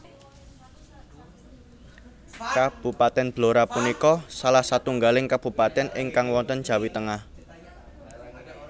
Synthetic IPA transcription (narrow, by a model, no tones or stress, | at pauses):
kab̥ṳpat̪ɛnb̥loɾapunikɔsalahsat̪uŋɡalɪŋkab̥ṳpat̪ɛnɪŋkaŋwɔnt̪ənd̥ʒ̥a̤wit̪əŋah